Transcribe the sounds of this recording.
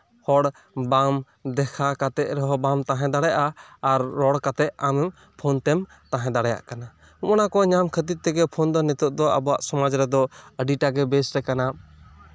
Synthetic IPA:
hɔɽ | bam | d̪ɛkʰakat̪ɛʔ̪̚ɾɛɦɔbamt̪ãɦɛ̃d̪aɽɛjaʔaːɾːɔɽkat̪ɛʔ̪̚amɛm | pʰɔnt̪ɛm | t̪ãɦɛ̃d̪aɽɛja̰ʔkana | umɔnakɔɲamkʰət̪it̪̚t̪ɛɡɛpʰɔnd̪ɔnɛt̪uʔ̚d̪ɔa̰bɔwaʔsɔmad͡ʒɾɛd̪ɔəɖiʈaɡɛbɛsɾɛkana

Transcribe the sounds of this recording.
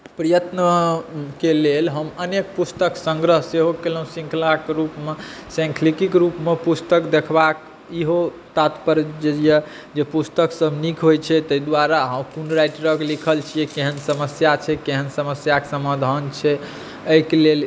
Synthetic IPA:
pɾəjət̪nəkelelɦəmənek̚pust̪əksə̃ŋɡɾəɦseɦokeləũsĩŋkʰlakeɾupmesɛ̃ŋkʰlikikɾupmepust̪əkd̪ekʰbak | iɦo | t̪at̪pəɾd͡ʒeijɛ | d͡ʒepust̪əksəbʱnikʰɦojt͡ʃʰɛt̪əjd̪waɾaɦəmkunɾajʈɾəkelikʰəlt͡ʃʰijɛkeɦənsəməsjat͡ʃʰɛkeɦənsəməsjake̥səmad̪ʱant͡ʃʰɛ | əkelel

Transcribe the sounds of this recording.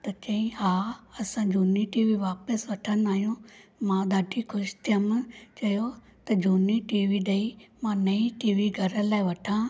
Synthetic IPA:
t̪ɐt͡ʃɐĩhaːɐsãːd͡ʒoːniʈiːʋiːʋaːpəsʋɐʈʰənaːjõːmãːd̪aːɖiːkʰʊʃt̪ʰjəmt͡ʃɐjoː | t̪ɐd͡ʒoːniʈiːʋiːɗeimãːnɐiʈiːʋiːɡʱɐɾəlaːiʋɐʈʰãː

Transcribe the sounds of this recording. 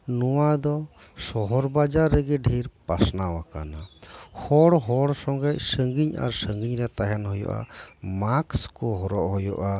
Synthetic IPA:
nɔwad̪ɔ | sɔɦɔɾbad͡ʒaɾːɛɡɛɖʱiɾpasnawaka̰nahɔɽɦɔɽsɔŋɡajsəŋɡiɲa̰ɾsəŋɡiɲɾɛt̪aɦɛnɦɔjɔ̰ʔa̰makskɔɦɔɾɔʔɦɔjɔ̰ʔa

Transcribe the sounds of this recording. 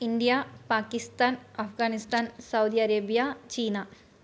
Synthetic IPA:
ind̪ijapaːkist̪aːnɐfɡaːnist̪aːnsɐwd̪iɐɾeːbijat͡ɕiːna

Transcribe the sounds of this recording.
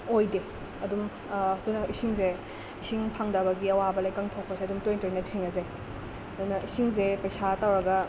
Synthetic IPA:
ojde | ɐdum | ɐdunɐʔisiŋze | isiŋpʰaŋdɐbɐɡiɐwabɐlajkaŋtʰok̚pɐseɐdumtojntɐɾinɐtʰeŋɐzaj | ɐdunɐisiŋzepɐjsatawɾɐɡɐ

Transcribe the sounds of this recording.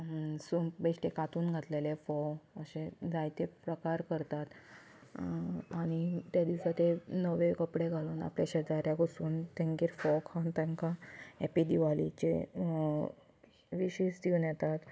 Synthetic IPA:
supbeɕʈekat̪uːnɡʱat̪lelefɔəɕẽd͡zajt̪epɾəkaɾkəɾt̪at̪ | aɽ̃it̪jad̪iwsat̪enəʋekəpɽeɡʱaluːna̰pljaɕeɾd̪aɾjaɡosuːnt̪ẽŋkiːɾfɔkʰant̪ɛ̃ŋkaepid̪iʋalit͡ɕḛ | ʋiɕisd̪iʋnjɛt̪at̪

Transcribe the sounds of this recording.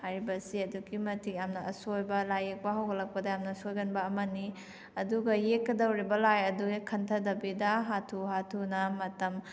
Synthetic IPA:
hajɾibɐsiɐduɡimɐtʰikjamnɐʔɐsojbɐlajek̚pɐɦɐwɡɐlɐk̚pɐdɐjamnɐsojɡɐnbɐːmɐni | ɐduɡɐjekːɐdɐwɾibɐlajɐduɡikʰɐntʰɐdɐbidɐɦatʰuhatʰunɐmɐtɐm

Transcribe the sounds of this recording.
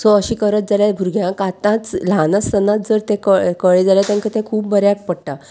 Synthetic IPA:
sɔəɕiːkəɾət̪̚d͡zaljabʱuɾɡʱjãkat̪ãt͡slanəst̪ənãt̪̚d͡zəɾt̪ẽkəkəɭed͡zalat̪ãŋkət̪ʰẽkʰuːpbəɾjak̚pəɽʈa

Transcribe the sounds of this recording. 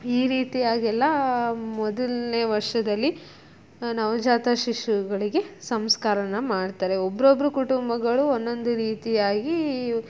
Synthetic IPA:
iːɾiːt̪ijaːɡɛlːɐmɔd̪ɐlneʋɐɾʂɐd̪ɐlːi | nɐʋɐd͡ʒaːt̪ɐʃiʃuɡɐɭiɡe̞sɐmskaːɾɐnɐmaːɖt̪aːɾeobːɐɾobɐɾukuʈumbɐɡɐɭuonːo̞nd̪uɾiːt̪ijaːɡi

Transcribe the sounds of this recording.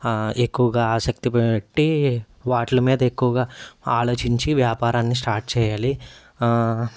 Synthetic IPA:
e̞kːuʋɐɡaːaːsɐk̚t̪ipeʈːi | ʋaːʈlɐmiːd̪ɐe̞kːuʋɐɡaːaːlo̞ːt͡ʃiɲt͡ʃiʋjaːpaːɾaːnːis̬ʈaːɾʈ̚t͡ʃɛːjaːli

